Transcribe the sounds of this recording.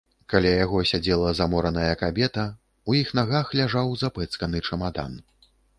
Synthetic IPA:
kalʲajaɣɔsʲad͡zʲɛlˠɐzamɔɾɐnɐjɐkabʲɛt̪ɐ | ujixnaɣaxlʲaʐawzapɛt̪skɐnɨt͡ʂɐmad̪a̰n

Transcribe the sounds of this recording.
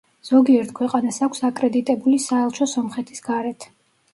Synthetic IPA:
z̥ɔɡiɛɾt̪ʰkʰwɛqʼanasakʷʰsakʼɾɛd̪it̪ʼɛbulisaɛlˠt͡ʃʰɔsɔmχɛt̪ʰi̥sɡ̥aɾɛt̪ʰ

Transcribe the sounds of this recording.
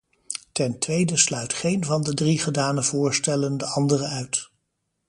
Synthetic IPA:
tɛntʋejdəslœɥtχejnvɑndədriχədaːnəvʊːɹstɛləndəɑndərəœɥt

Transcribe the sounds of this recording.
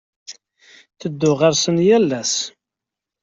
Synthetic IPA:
θəd̪ːʊʁaɾsənjælːæs

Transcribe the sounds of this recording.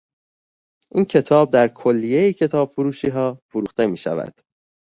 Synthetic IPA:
ʔiːncʰe̞t̪ʰɒːb̚d̪æɾkʰo̞lːije̞jicʰe̞t̪ʰɒːb̥fuɾuːʃiːɦɒːfuɾuːxt̪e̞miːʃæ̰væ̰d̪̥

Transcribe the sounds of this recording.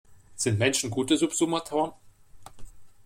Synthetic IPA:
z̥ɪntmɛnʃn̩ɡuːtəzupz̥umɐtʰɔɐn

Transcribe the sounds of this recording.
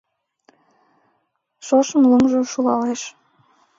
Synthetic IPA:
ʃoʃəmləmʒoʃulɑleʃ

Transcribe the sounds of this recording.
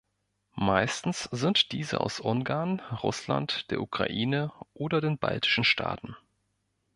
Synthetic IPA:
maɪstn̩sz̥ɪntd̥iːzə̰ʔa̰ʊsʔʊŋɡaɐnʁʊ̰sla̰ntd̥eːɐʔukʁ̥a̰ʔiːnəʔoːdɐdeːnba̰ltɪ̥ʃn̩ʃtʰa̰ːtn̩

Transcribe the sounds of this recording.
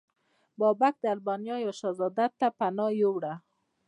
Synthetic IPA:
bɔbak̚d̪əalbɔnjɑjɑʃɑzɑd̪at̪ːapanɑjowɽa

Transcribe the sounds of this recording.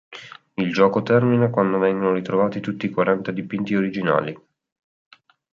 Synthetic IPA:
ild͡ʒɔːkot̪ɛrminakwand̪ovɛŋɡonoɾit̪ɾovaːt̪it̪ut̪ːiːkwaɾant̪ad̪ipint̪ioɾid͡ʒina̰ːli

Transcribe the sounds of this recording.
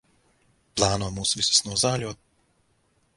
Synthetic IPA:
plˠaːnɔmuːsʋisʲi̥snɔːzaːlʲoː

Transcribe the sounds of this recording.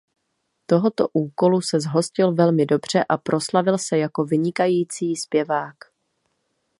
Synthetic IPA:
t̪o̞ɦo̞t̪o̞ʔuːko̞lusɛzɦo̞scɪlvɛlmɪdo̞br̝̥ɛʔapɾo̞slavɪlsɛjako̞vɪɲɪkajiːt͡siːspjɛvaːk

